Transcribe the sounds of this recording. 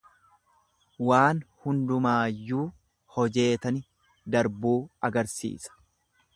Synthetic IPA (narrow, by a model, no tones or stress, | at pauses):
waːnhʊnd̪ʊmaːjːuː | hɔd͡ʒe̞ːt̪ɐnɪ | d̪ɐɾbuːɐɡɐɾsḭːsɐ̥